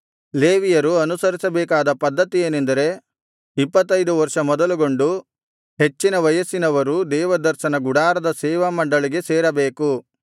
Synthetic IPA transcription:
leːʋijɐɾuɐnusɐɾisɐbɛːkaːd̪ɐpɐd̪ːɐt̪ijeːnend̪ɐɾe̞ | ipːɐt̪ːɐjd̪uʋɐɾʂɐmɔd̪ɐluɡo̞ɳɖu | ɦe̞t͡ʃːinɐʋɐjɐsinɐʋɐɾud̪ɛːʋɐd̪ɐɾʃɐnɐɡuɽaːɾɐd̪ɐsɛːʋɐmɐɳɖɐɭiɡe̞sɛːɾɐbeːku

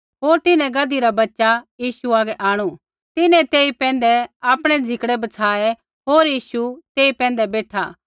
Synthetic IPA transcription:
ɦoːɾt̪ɪnɛ̃ɡɐd̪iɾabɐtːʃajiːʃuaːɡɛʔaːɽ̃u | t̪ɪnɛ̃t̪eːipɛ̃ːnd̪ɛaːpɽ̃ɛd͡zʱɪkɽɛbɐt͡sʰaːɛ | ɦoːɾjiːʃut̪eːipɛ̃ːn̆d̪ɛbeːʈʰaː

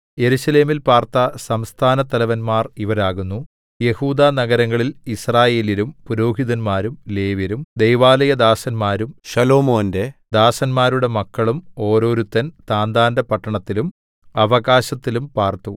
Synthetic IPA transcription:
je̞ɾuɕɐle̞ːmilpaːrt̪ɐsɐmst̪ʰaːnɐt̪ɐlɐʋɐnmaːriʋɐɾaːɣunːu | je̞huːd̪aːnɐɣɐɾɐŋːɐɭilisraːje̞ːlilumpuɾo̞ːɦiðɐnmaːɾumle̞ːʋjɐɾumd̪e̞jʋaːlɐjɐd̪aːsɐnmaːɾumɕɐlo̞ːmo̞ːnde̞d̪aːsɐnmaːɾuɽe̞mɐkːɐɭumo̞ːɾo̞ːɾut̪ːɐnt̪aːnd̪aːndɐpɐʈːɐɳɐt̪ːilum | ɐʋɐɣaːɕɐt̪ːilumpaːrt̪u

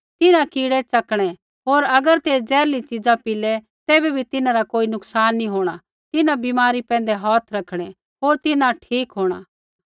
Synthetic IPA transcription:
t̪ɪnãkiːɽɛt͡sɐkɽ̃ɛ | ɦoːɾɐɡəɾt̪eːd͡zɛːɾlit͡ʃɪd͡zãpɪlɛ | t̪eːbɛbʱit̪ɪnãɾakoːinʊksaːnːĩɦoːɽ̃a | t̪ɪnãbiːmaːɾipɛ̃ːn̆d̪ɛɦɔːt̪ʰɾɐkʰɽ̃ɛ | ɦoːɾt̪ɪnãʈʰiːkɦoːɽ̃a̰

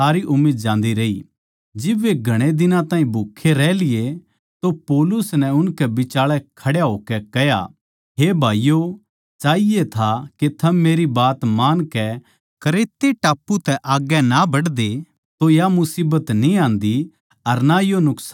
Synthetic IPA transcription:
aːɾiʔʊmːiːd̪̚d͡ʒãːnd̪iɾɐḭ | d͡ʒɪbʋeɡʱɐɽ̃ed̪ɪnãt̪ãːĩbʱukʰːeɾɛːlɪje | t̪opɔːlʊsnɛ̃ʊnkɛbɪt͡ʃaːɭɛkʰɐɽjaɦoːkɛkɛɦja̰ | ɦebʱaːijo | t͡ʃaːiet̪ʰaket̪ʰɐmːeːɾibaːt̪maːnkɛ | kɐɾeːt̪ːeʈaːpːut̪ɛʔaːɡɛnabɐɽd̪e | t̪ojamʊsiːbət̪nĩãːnd̪i | ɐɾnajonʊksa

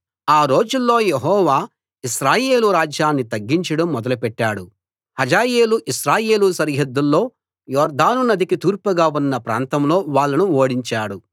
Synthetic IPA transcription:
aːɾo̞ːd͡ʒulːo̞ːjeɦɔːʋaː | iʃɾaːje̞ːluɾaːd͡ʒjaːnːit̪ɐɡːiɲt͡ʃɐɽɐmːɔd̪ɐlupɛʈːaːɽu | hɐd͡ʒaːje̞ːluʔiʃɾaːje̞ːlusɐɾɦɐd̪ːulːo̞ː | jɔːɾd̪aːnunɐd̪ikit̪uːɾpɐɡaːunːɐpɾa̰ːnt̪ɐmlo̞ːʋaːɭːɐnuoːɽiɲt͡ʃaːɽu

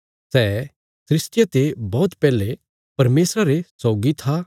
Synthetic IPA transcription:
sɛː | sɾɪst̪jat̪ebɔːt̪pɛːle | pɐɾmeːsɾaɾesɔːɡit̪ʰa

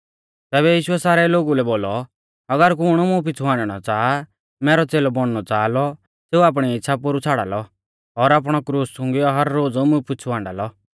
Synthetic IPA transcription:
t̪ɛːβɛjiːʃʊɛsaːɾɛloːɡulɛboːlɔ | ɐɡəɾkʊɽ̃umũp̬ɪt͡sʰuãːɳɖɛɽ̃ɔt͡saː | mɛːɾɔt͡seːlɔbɔɽ̃nɔt͡saːlɔ | seːuaːp̬ɽ̃iɪtːʃʰapoɾut͡sʰaːɽa̰ːlɔ | ɔːɾaːp̬ɽ̃ɔkɾuːssʊ̃ŋɡiɔɦɐɾːoːd͡zmʊ̃pɪt͡sʰuʋãːɳɖa̰ːlɔ

